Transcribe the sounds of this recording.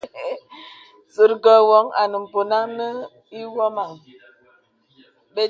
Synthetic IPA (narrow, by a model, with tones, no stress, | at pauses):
sə˨ɾɡɔ˨wɔ˨˦ŋa̰˨nə˨m̩˨po˨na˦ŋnə˦ | i˦wɔ˦ma˨ŋ | be˦